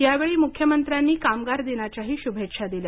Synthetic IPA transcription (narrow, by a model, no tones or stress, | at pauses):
jaʋeɭiːmukʰjəmənt̪ɾanːiːkamɡaɾd̪enjat͡ɕaɦiːɕubʱetʂad̪ilja